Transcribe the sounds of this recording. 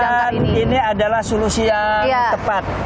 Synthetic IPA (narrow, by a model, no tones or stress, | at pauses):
aniniadalahsolusijaəpat̪̚